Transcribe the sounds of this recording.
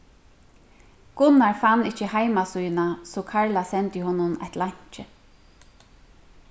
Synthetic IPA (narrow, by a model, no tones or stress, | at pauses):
ɡ̥ʊnaɹfanːɪt͡ʃːəhajmasujnasɔkʰaɹlasɛnt̪jɪhɔnːʊnɛ̰t̪laɲ̥t͡ʃɪ